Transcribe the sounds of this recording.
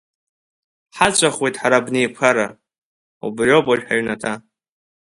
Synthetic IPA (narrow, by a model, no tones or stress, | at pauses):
ħat͡ɕʷʰʼaχwejtʼħaɾabnejpʰaɾa | ṵbropʼaʒᶣħaɥnatʰa